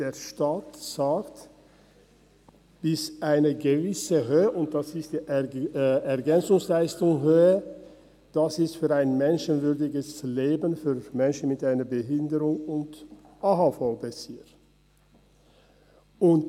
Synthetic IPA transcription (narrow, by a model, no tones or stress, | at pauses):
d̥eːʃtaːtz̥aːkt | b̥ɪsʔaɪnəɡəvɪsəɦøːəʔʊnt̚d̥asɪstd̥iːʔ | ɛɐɡɛnt͡sʊŋslaɪstʊŋɦøːə | d̥asɪstfyːʁaɪnmɛnʃənvʏɐdɪɡəsleːbənfyːʁmɛnʃn̩mɪtaɪnɐbəɦɪndəʁʊŋʊnt | ʔaɦafɔlbət͡siːʁ | ʊnt